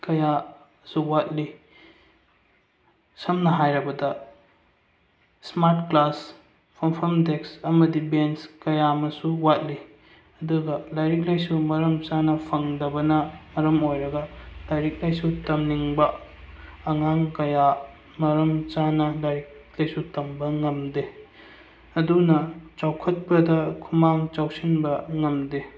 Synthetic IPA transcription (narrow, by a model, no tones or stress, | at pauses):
kɐja | suwat̚li | sɐmnɐɦajɾɐbɐdɐ | smaɾt̚klas | pʰɐmpʰɐmdeksɐmɐdibenskɐjamɐsuwat̚li | ɐduɡɐlajɾik̚lajsumɐɾɐmt͡ʃanɐpʰɐŋdɐbɐnɐmɐɾɐmojɾɐɡɐlajɾik̚lajsutɐmniŋbɐː | ŋaŋkɐja | mɐɾɐmt͡ʃanɐlajɾik̚lajsutɐmbɐŋɐmde | ɐdunɐt͡ʃawkʰɐt̚pɐdɐkʰumaŋt͡ʃawsinbɐŋɐmde